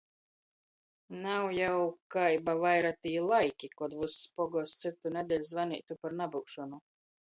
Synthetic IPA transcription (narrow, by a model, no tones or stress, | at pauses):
nawjawkajbavajɾat̪iːlˠajkʲikɔd̪vusːpɔɡɔst̪sit̪unɛd̪ʲɛlʲzvanḭːt̪upaɾnabukʃɔnu